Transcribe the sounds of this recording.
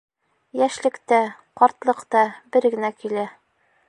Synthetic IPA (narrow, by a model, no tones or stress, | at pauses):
jæʃlɘ̆kt̪æqɒɾt̪lˠɤ̆qt̪ɑbɘɾɡɘ̆nækilæ